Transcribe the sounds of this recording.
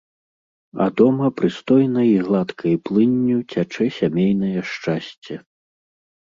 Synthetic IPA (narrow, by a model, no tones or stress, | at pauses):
ɐ̰d̪ɔmɐpɾɨst̪ɔjnɐiɣlˠat̪kʰɐjplˠɨnʲːut͡sʲat͡ʂɛsʲamʲejn̪ɐjɐʂt͡ʂasʲt͡sʲɛ